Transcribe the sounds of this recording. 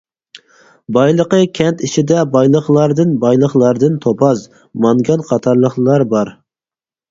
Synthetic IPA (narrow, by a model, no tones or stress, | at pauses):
bɑjlˠəqəkʲʰɛnt̪iʃid̪ɛbɑjlˠəχlˠɑɾd̪ɨnbɑjlˠəχlˠɑɾd̪ɨnt̪ʰopʰɑz | mɑŋɡɑnqʰɑt̪ʰɑɾlˠəχlˠɑɾbɑɾ